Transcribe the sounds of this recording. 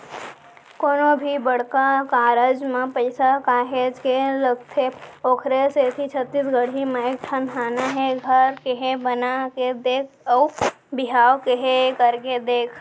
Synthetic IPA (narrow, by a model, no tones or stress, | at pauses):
koːnobʱibəɽkakaːɾəd͡ʒmẽpəɪsakaːɦed͡ʒkeləɡt̪ʰeoːkʰɾeset̪ʰit͡ʃʰət̪ːiːsɡəɽ̤imẽeːk̚ʈʰənɦʰaːnaɦɛɡʱəɾkeɦebənaked̪eːkʰɔ | bɪɦaːwkeɦekəɾked̪eːkʰ